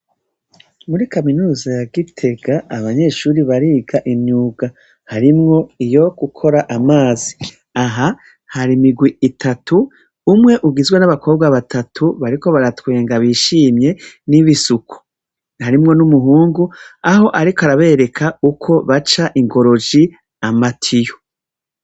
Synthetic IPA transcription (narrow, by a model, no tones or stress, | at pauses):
muɾikaminuːzajaɡitʰe̞ɡaːβaɲe̞ːʃuːɾiβaɾiːɡaʔiɲɲuɡa | haɾimŋo̞ijo̞ɡ̥ukʰo̞ɾaʔamaːzi | aɦa | haɾimiɡwiitʰatʰuː | mŋe̞ʔuɡizwenaβako̞ːb̚ɡaβatatʰuβaɾiko̞βaɾatwe̞ːŋɡaβiːʃiːmɲe̞niβisukʰu̥ | haɾimŋo̞numuɦuːŋɡuaɦo̞ʔaɾikoaɾaβe̞ɾe̞kʰaukʰo̞βat͡ʃaʔiŋɡo̞ɾo̞d͡ʒi | amatʰijo